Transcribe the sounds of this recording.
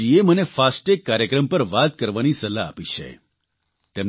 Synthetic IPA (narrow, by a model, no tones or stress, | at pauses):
iemənefasʈekːaɾjəkɾəmpəɾʋat̪kəɾʋanisəla̰ːpit͡ʃʰḛ | t̪em